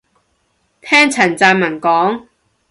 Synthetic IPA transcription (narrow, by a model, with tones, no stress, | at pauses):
t̪ʰɛː˥ŋt͡sʰɐ˨˩nt͡saː˧nmɐ˨˩nkɔː˨˥ŋ